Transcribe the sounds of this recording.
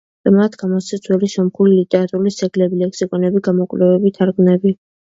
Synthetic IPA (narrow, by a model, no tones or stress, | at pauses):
amat̪ʰɡamɔsɛt̪sʰwɛliʃɔmχulilit̪ʼɛɾat̪ʼuɾulisɛɡlɛbilɛkʰsikʼɔnɛbiɡamɔkʼlɛvɛbit̪ʰaɾɡmnɛbi